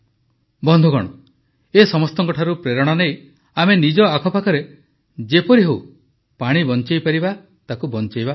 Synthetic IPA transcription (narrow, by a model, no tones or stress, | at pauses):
bɔnd̪ʱɔɡɔɽ̃ɔ | esɔmɔst̪ɔŋkɔʈʰaɾupɾeɾɔɽ̃ɔnej | amenid͡ʒɔakʰɔpakʰɔɾe | d͡ʒepɔɾiɦew | paɽ̃ibɔnt͡ʃajpaɾiba | t̪akubɔnt͡ʃajba